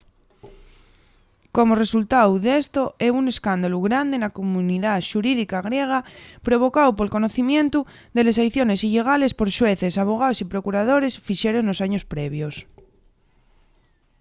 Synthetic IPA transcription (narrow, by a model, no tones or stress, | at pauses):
ko̞more̞sult̪awðe̞st̪o̞eune̞skand̪aluɣɾand̪enakomũniðaʃuɾiðikaɣɾje̞ɣ̞apɾo̞βo̞kawpo̞lko̞noθimjẽ̞nt̪u | ðe̞le̞sajθjo̞ne̞siʎeɣ̞ale̞spo̞ɾʃwe̞θesaβ̞o̞ɣ̞aosipɾo̞kuɾað̞o̞ɾe̞sfiʃe̞ɾoŋlo̞saɲo̞spɾe̞β̞jos